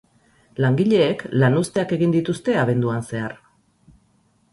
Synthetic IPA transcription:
laŋɡiʎe̞ːklanust̪e̞ake̞ɣind̪it̪ust̪e̞aβ̞e̞nd̪uanse̞aɾ

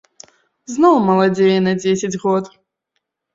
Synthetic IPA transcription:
znɔwmɐlˠad͡zʲejɛnɐd͡zʲesʲɐd͡zʲɣɔt̪

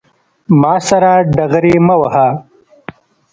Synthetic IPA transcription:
maːsɐɾaːɖɐɣɾiːmɐwɐhaː

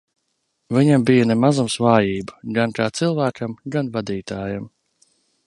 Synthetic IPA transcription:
viɲambijanɛmazumsvaːjiːbəɡankaːt̪silˠvæːkamɡanvad̪iːt̪aːjam

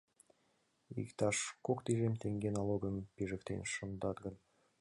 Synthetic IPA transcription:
ḭkt̪ɑʃkokt̪iʒemʲt̪eŋɡʲenɑlˠoɡə̆mpiʒɘ̆kt̪ḛnʲʃə̆nd̪ɑt̪̚ɡɤ̆n

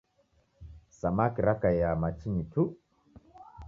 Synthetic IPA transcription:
samakiɾakajamat͡ʃinitʰu

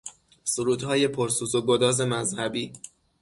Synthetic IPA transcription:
suɾuːd̪hɒːje̞pʰoɾsuːzoɡod̪ɒːze̞mæzhæbiː

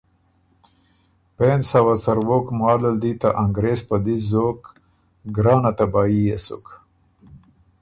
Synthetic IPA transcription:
pensawat͡sɐɾwokmɑːləld̪it̪aʔaŋɡɾeːspad̪izok | ɡɾɑːnat̪abaːjijesṵk

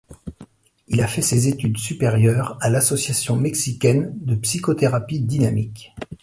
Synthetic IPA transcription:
ilafɛsezet̪yd̪sypeʁjœːʁalasɔsjasjɔ̃mɛksikʲɛnd̪əpsikot̪eʁapid̪inamik

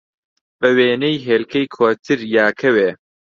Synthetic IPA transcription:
bɐweːnejɦeːlkʰɐjkʰoːt̪ʰɨɾjaːkʰɐweː

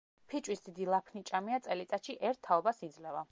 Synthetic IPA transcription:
pʰit͡ʃʼwisd̪id̪ilˠapʰnit͡ʃʼamiat̪sʼɛlit̪sʼat̪ʃiʔɛɾt̪ʰːaɔbasid̪zlɛva

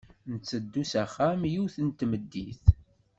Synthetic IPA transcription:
nət͡sːəd̪ːusæχːæmjiwθənt̪ːməd̪ːiθ

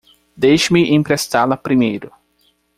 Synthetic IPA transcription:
d̪ejʃʊmɪʔẽpɾest̪alɐpɾimejɾʊ

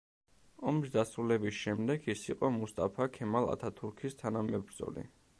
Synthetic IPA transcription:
ɔmsd̪asɾulɛbisʃɛmd̪ɛɡisiqʼɔmust̪ʼapʰakʰɛmalˠa̰t̪ʰat̪ʰuɾkʰist̪ʰanamɛbɾd̪zɔ̰lḭ

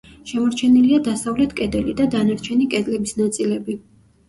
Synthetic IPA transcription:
ʃɛmɔɾt͡ʃʰɛniliad̪asavlɛt̪ʰkʼɛd̪ɛlid̪ad̪anaɾt͡ʃʰɛnikʼɛd̪lɛbisnat̪sʼilɛbi

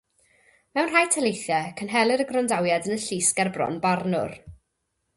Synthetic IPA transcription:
mɛwnrajtʰɛlejθjɛkʰənɦɛlˠɪɾəɡrɔndawjadənəɬiːsɡɛrbrɔ̰nbarnʊ̰r

